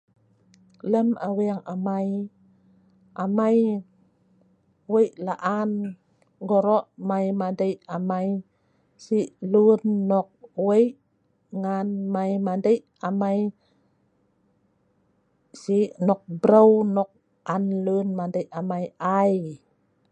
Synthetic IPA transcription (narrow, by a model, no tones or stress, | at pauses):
ləmawiaŋamaj | ʔamaj | wəjʔlaʔan | ɡɔɾɔʔmajmadəjʔamaj | siʔlunːɔk̚wejʔ | ŋanmajmadəjʔamaj | siʔnɔk̚bɾəwnɔk̚ | anlunmadəjʔamajaj